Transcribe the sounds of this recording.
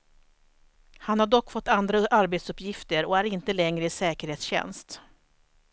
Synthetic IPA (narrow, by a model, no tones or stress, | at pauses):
hanhaɖɔkːfɔt̪ːand̪ɾaʔaɾbeːt̪sɵpːjɪft̪əɾɔæɾɪnt̪əlɛŋɾəɪsɛːkəɾheːt̪sɕɛ̰nst̪